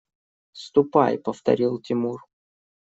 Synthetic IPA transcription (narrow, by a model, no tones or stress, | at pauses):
st̪ʊpa̰jpəft̪ɐ̰ɾʲilˠtʲɪmur